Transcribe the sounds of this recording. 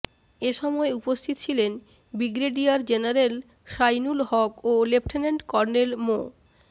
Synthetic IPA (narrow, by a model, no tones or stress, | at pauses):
eʃɔmɔeupost̪ʰit̪ot͡ɕʰilen | biɡɾeɖiaɾd͡ʑenaɾel | ʃajnulɦɔkolepʈʰeneɳʈkɔɾnelmo̰